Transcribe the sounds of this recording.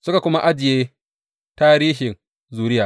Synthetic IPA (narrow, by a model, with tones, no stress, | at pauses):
sʊ˦ka˨kʷʊ˦ma˦ʔa˦d͡ʒɪ˨jeː˦ | taː˦ɾiː˦ɦɪ˨n | zuː˨ɾɪ˦jaː˨